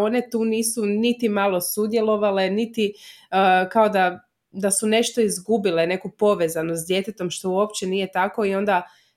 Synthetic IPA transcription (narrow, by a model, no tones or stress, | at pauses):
o̞ne̞t̪uːniːsunit̪imalˠo̞sud̪je̞lˠo̞ʋale̞nit̪i | kao̞d̪a | d̪asune̞ʃt̪o̞izɡubilene̞kupo̞ʋe̞zanosd̪je̞t̪et̪o̞mʃt̪o̞uo̞pt͡ɕe̞nije̞t̪ako̞io̞nd̪a